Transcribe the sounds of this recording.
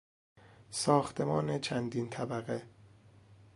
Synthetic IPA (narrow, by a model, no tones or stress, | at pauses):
sɒːxt̪ʰe̞mɒːnet͡ʃʰænd̪iːnt̪ʰæbæɣe